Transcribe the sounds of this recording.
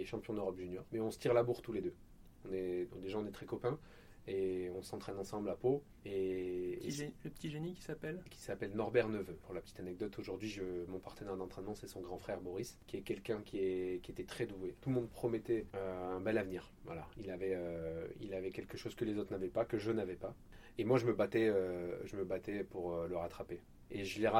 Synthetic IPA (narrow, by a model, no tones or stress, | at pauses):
ɛʃɑ̃pjɔ̃d̪øʁɔpʒynjɔʁmɛɔ̃sə̥t̪ʰiʁlabuʁt̪uled̪ø | ɔ̃nɛ̃d̪eʒaɔ̃nɛt̪χɛkɔpɛ̃ | eɔ̃sɑ̃t̪χɛnɑ̃sɑ̃blapo | e | ʒləpə̥t̪ʰiʒenikʲi̥sapɛlkʲʰi̥sapɛlnɔʁbɛʁnəvøpuʁlapə̥t̪ʰit̪anɛɡ̚d̪ɔt̪ʰoʒuʁd̪ɥiʒəmɔ̃paʁt̪ənɛʁd̪ɑ̃t̪χɛnmɑ̃sɛsɔ̃ɡʁɑ̃fχɛʁbɔʁiskʲiɛkʲɛlkʲɛ̃kʲiɛkʲiet̪ɛt̪χɛd̪uet̪ulmɔ̃d̪̚pχɔmɛt̪ɛøɛ̃bɛlavniːʁ | vwa̰la̰ilavɛøḭlavɛkʲɛlkəʃozkəlezot̪χnavɛpakəʒənavɛpa | emwaʒəməbat̪ɛøʒəməbat̪ɛpuʁøləʁat̪χape | eʒəleʁa